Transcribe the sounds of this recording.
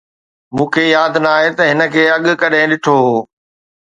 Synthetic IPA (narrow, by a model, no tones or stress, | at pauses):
mũːkʰeːjaːd̪ʱnaːɦet̪ɐɦɪnə̆kʰeːɐɠkɐɗẽːɗɪʈʰoɦoː